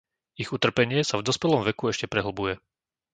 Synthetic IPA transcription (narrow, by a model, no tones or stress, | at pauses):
iɣut̪r̩pɛɲɪɛsavd̪ɔspɛlɔmʋɛkuɛʃcɛpɾɛɦl̩bujɛ